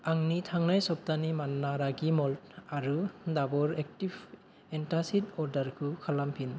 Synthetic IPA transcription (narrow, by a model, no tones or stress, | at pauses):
aŋnitʰaŋnajsɔp̚tanimanːaɾaɡimɔltaɾudabɔɾek̚tib | entasitɔɾdaɾkʰɯkʰalampʰin